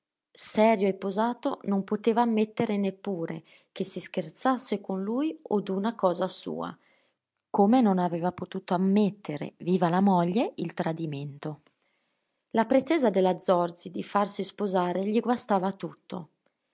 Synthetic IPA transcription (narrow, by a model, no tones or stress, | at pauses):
sɛːɾjoepːozaːt̪onompot̪eːvaːmːet̪ːeɾenepːuːɾḛ | k̟esiskert̪sasːekonlujod̪unakɔːzasṵːa̰ | komenonaveːvapot̪uːt̪oamːet̪ːeɾḛviːvalamɔʎːeilt̪ɾad̪iment̪o | lapɾet̪eːzad̪elad̪zːɔrd̪zid̪ifarsispozaːɾeʎiɡwast̪aːvat̪ut̪ːo̰